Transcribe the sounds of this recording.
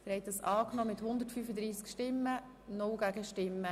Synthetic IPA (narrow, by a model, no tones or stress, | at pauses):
fɪɾhɛjt̚dɑsɑːknɔːmɪthʊnd̪əɾtfyːfəd̪ɾiːskʃtɪmːə | nʊwɡ̥æɡəʃtɪmːə